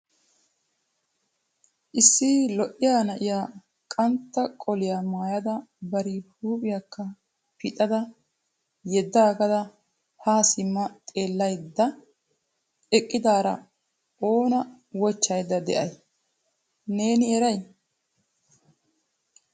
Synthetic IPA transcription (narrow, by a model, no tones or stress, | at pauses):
ʔɪsːilɔʔɪjaːnɐʔɪjaː | kʼɐnt̪ːɐkʼɔlɪjaːmaːjɐd̪ɐbɐɾɪhuːpʼɪjɐkːɐ | pʰɪt̪ʼɐd̪ɐ | jɛd̪ːaːɡɐd̪ɐ | haːsɪmːɐt̪ʼe̞ːlːɐjd̪ːɐ | ɛkʼːɪd̪aːɾɐ̰ | oːnɐ | wɔt͡ʃːɐjd̪ːɐd̪ɛ̰ʔɐj | neːnɪɛɾɐj